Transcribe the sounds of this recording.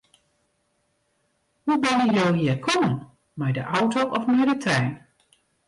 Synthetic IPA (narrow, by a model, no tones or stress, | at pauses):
hubɛnjəjowɦiːəɹkʰɔmən | mɛjdəʔawtowʔɔfmɛjdətʰɛjn